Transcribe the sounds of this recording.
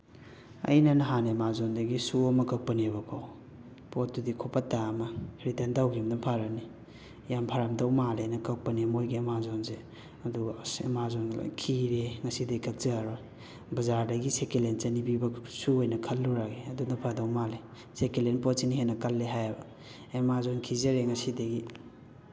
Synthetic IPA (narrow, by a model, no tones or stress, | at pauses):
ɐ̰jnɐnɐɦanemazondɐɡisuɐmɐkɐk̚pɐniβɐkʰow | pot̚dudikʰopɐtːamɐɾitendawɡimnɐpʰaɾɐni | jampʰaɾamdɐwmalajnɐkɐk̚pɐniɐmojɡiɐmazonse | ɐduɡɐɐmazon̰kʰiɾeŋɐsidekɐk̚zɐɾbɐ | bɐzaɾdɐɡisekelent͡ʃɐnibibɐsuojnɐkʰɐlːuɾaɡeɐdunɐpʰadɐwmale | sekelenpot̚siniɦenːɐkɐlːeɦajabɐ | emazonkʰizɐɾeŋɐsidɐɡi